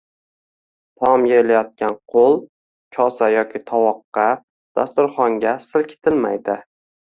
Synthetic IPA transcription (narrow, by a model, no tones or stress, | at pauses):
t̪ʰɒmjelajɒt̪̚kʲanqʰolˠ | kʲʰɒsajɒkʲʰɪt̪ʰɒwɒqːɑ | d̪̥ast̪ʊɾχɒŋɡʲasɪlkʲʰɪ̥t̪ʰɪlma̰jd̪ɪ